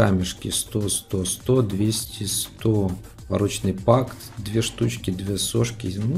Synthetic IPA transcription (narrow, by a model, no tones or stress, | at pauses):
a̰mʲɪʂkʲɪst̪ost̪ost̪od̪vʲesʲtʲist̪o | vɐ̰ɾɔt͡ɕnɨpakt̪d̪vʲeɛʂt̪ut͡ɕkʲid̪vʲeɛsoʂkʲinu